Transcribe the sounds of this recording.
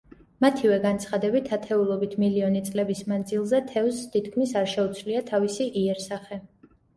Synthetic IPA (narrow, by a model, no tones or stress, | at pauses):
mat̪ʰivɛɡant̪sʰχad̪ɛbit̪ʰat̪ʰɛulˠɔbit̪ʰmiliɔnit̪sʼlɛbismand̪zilˠzɛt̪ʰɛvst̪ʰit̪ʰkʰmisaɾʃɛut̪sʰliat̪ʰavisiʔiɛɾsaχɛ